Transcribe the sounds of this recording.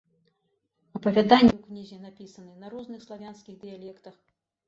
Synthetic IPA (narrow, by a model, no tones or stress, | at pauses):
ɐpɐvʲad̪anʲːɛwknʲizʲɛnapʲisɐnɨnɐɾɔznɨxslˠavʲanskʲiɣd̪ɨjalʲɛkt̪ɐx